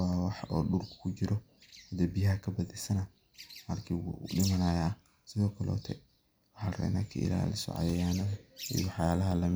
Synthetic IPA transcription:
wɑːwɑħɔːɗʊrkʰʊ̥kʰʊt͡ʃɪɾɔ | hɐd̪ɛbɪjɐkʰɐbɐðɛsɐnɐ | mɐrkʰiːwṵɗɪmɐnaːja | sɪðɔːkʰɐlɔ̰ːt̪ʰɛ̰ | wɑħɑːrɛ̰na̰ːkʰɐ̰ʔɪ̰la̰ːlɪsɔ̰ʕɑ̰jɐjaːnɐðɐijɔħɑjaːlɐɦɐlɐm

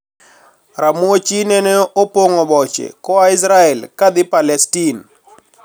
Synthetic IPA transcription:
rʔamuot͡ʃinɛnɛopoŋɔbɔt͡ʃḛkɔaɪs̬ɾaɛlkad̪ɪpalɛstin

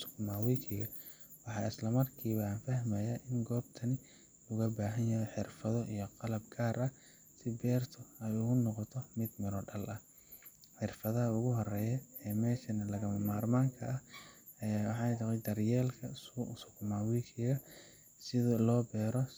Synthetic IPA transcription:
sʊ̥kʰmaːwikʰɪɣɐ | wɑħɑːɪslɐmɐrkʰiːβɐanfɐhmɐjaʔɪŋɡɔːbt̪ʰɐnɪ | lʊɣɐbaːɦɐnjɐjɛħɪrfɐðɔʔijɔqɑlɐb̚ɡʰaːɾʔɐ | sɪbɛːrt̪ʰʊɛjʊɣʊnɔqɔt̪ʰɔmɪd̪mɪɾɔɖɐlʔɐ | ħɪrfɐðɐɦɐʊɣʊɦɔrɛːjɛɛːmɛːʃɐnɐlɐɣɐmɐmaːrmaːŋkʰɐʔɐ | ɐjawħɑːnt̪ɐʁɛd̪ɐrjɛːlkʰɐsʊsʊkʰʊmaːwikʰɪɣɐ | sɪðɐlɔːbɛːɾɔ

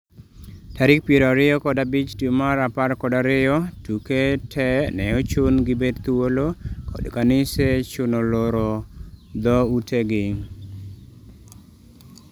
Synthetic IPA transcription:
taɾɪk̚pieɾaɾɪɔkɔdabit͡ʃtjomaɾapaɾkɔdaɾɪjɔtuketʰɛnɛɔt͡ʃʊnɡɪbedt̪uwolokɔ̰dkanɪset͡ʃʊnoloɾɔd̪ɔuteɡɪŋ

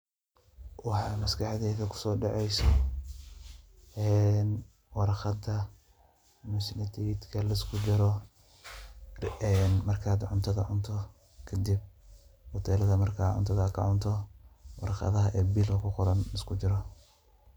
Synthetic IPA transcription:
wɑħɑːmɐskʰɑħðɛːðɐkʰʊ̥sɔːɖɑʕɛjsɔ | ɛn | wɑɾxɑd̪ɐ | mʊsɪnɪt̪ʰɛd̪kʰɐlɐɪskʰʊt͡ʃɪɾɔ | ɛnmɐrkʰaːd̪ʕʊnt̪ʰɐðɐʕʊnt̪ʰɔ | kʰɐd̪ib̚wɔt̪ʰɛːlɐðɐmɐrkʰaːʕʊ̰nt̪ʰɐðɐkʰɐ̰ʕʊnt̪ʰɔwɑ̰ɾɑχɑ̰ðɐɦɐʔɛːbiːlkʰɐkʰʊqʊɾɐnlɪskʰʊt͡ʃɪɾɔ

